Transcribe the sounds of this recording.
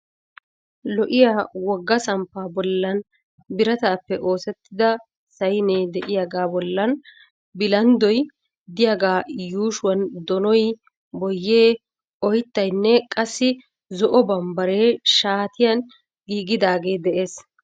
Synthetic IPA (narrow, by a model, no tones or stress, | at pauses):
lɔʔɪjaːwɔɡːɐsɐmpːaːbɔlːɐn | bɪɾɐt̪aːpːɛʔo̞ːsɛt̪ːɪd̪ɐ | sɐjneːd̪ɛʔɪjaɡaːbɔlːɐn | bɪlɐnd̪ɔj | d̪ɪjaɡaːjuːʃʊwɐnd̪ɔnɔj | bɔjːeː | ʔɔjt̪ːɐjnːɛkʼɐsːɪ | zɔʔɔbɐmbɐɾeːʃaːt̪ɪjɐn | ɡiːɡɪd̪aːɡe̞ːd̪ɛʔe̞ːs